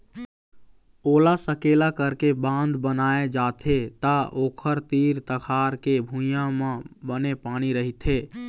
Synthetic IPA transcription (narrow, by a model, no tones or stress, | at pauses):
olasəkelakəɾkebãnd̪ʱbənaed͡ʒat̪ʰet̪aʔokʰəɾt̪iɾt̪əkʰaɾkebʱũjãmẽbənepañiɾəɦit̪ʰe